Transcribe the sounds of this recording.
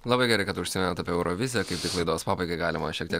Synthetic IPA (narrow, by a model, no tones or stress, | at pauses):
lˠɐbɐɪɡʲɛɾɐɪkɐt̪ʊʃʲsʲɪmʲɛnɐt̪ɐpʲeɛʊɾoʋʲɪzʲɪjɛkɐɪp̚t̪ʲɪklˠɐɪd̪oːspɑːbɐɪɡɐɪɡɑːlʲɪmɐʃʲiɛk̚t̪ʲiɛk